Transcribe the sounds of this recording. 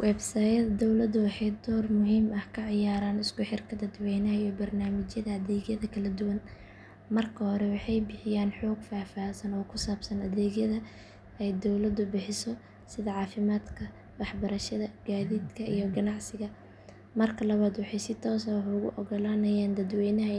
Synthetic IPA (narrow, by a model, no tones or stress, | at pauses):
wʔɛːbsaːjɐðɐd̪ɔwlɐd̪ʊwɑħɑjd̪ɔːrmʊɦiːmɐhkʰɐʕɪjaːɾaːnɪskʊħɪrkʰɐd̪ɐd̪wɛjnɐːjɔbɐrnaːmɪt͡ʃjɐðɐɐðɛːɡjɐðɐkʰɐlɐd̪ʊwɐn | mɐrkʰɐhɔɾɛwɑħɑjbɪħɪjaːnħɔːɡfaːfaːsɐnɔːkʰʊsaːbsɐnɐðɛːɡjɐðɐ | ɛjd̪ɔwlɐd̪ʊbɪħɪsɔ | sɪðɐʕɑːfɪmaːd̪kʰɐ | wɑħbɐɾɐʃɐðɐɡ̥aːðiːd̪kʰɐʔḭjɔɡɐnɑʕsɪɣɐ | mɐrkʰɐlɐβaːd̪wɑħɑjsɪt̪ʰɔːsɐwħʊɣʊ̰ʔɔɡɔlaːnɐjaːnd̪ɐd̪wɛjnɐɦɐ